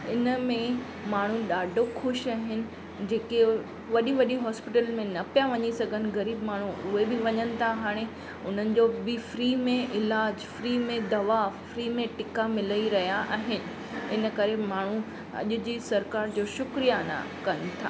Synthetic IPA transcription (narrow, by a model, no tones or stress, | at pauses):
ɪnəmẽ | maːɳ̤̃ũɗaːɖʱoxʊʃaːɦɪnɪ̆ | d͡ʑeːke | ʋɐɗiʋɐɗiɦɔːspɪʈəlmẽnɐpjaʋɐɲisɐɡʱənɪ̆ɣɐɾiːbmaːɳ̤uʊɦebɪʋɐɲənɪ̆t̪ʰaɦaːɽ̃e | ʊn̤ənɪ̆d͡ʑobɪfɾiːmẽʔɪlaːd͡ʑfɾiːmẽd̪ɐʋafɾiːmẽʈɪkamɪləiɾɐɦijaʔaːɦɪnɪ̆ | ɪnə̆kɐɾemaːɳ̤u | ɐ̰ʄʊ̆d͡ʑisɐɾkaːɾd͡ʑoːʃʊkɾijana̰ | kɐnɪ̆t̪ʰa̰ː